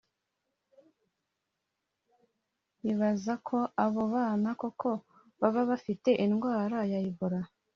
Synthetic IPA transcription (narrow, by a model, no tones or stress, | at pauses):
βiβazakʰo̞aβo̞βaːnakokʰo̞ | βaβaβafite̞ʔinɡwaːɾajaiβoɾa